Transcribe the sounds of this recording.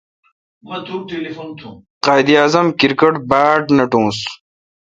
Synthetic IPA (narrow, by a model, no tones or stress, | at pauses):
mɐt̪ʰuːʈelifont̪ʰũ | qaːjd̪ijaːzɐmkiɾkɐʈbaːʈnɐʈõːs